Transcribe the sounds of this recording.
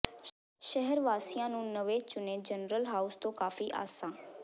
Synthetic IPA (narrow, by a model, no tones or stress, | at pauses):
ʃəɦəɾʋaːsijãːnũːnəʋeːt͡ʃʊneːd͡ʒənɾəlɦaːust̪õːkaːfiːʔa̰ːsãː